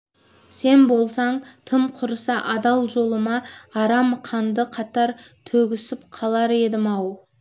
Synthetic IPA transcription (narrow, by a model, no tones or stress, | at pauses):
se̞nbo̞lˠsɑɴt̪ʰəmqʰʊɾəsɑʔɑd̪ɑlˠʒo̞lˠəmɑɑɾɑmqʰɑnd̪əqʰɑt̪ɑɾt̪ʰɵɡʲɪsɪpqʰɑlˠɑɾe̞d̪ɪmɑw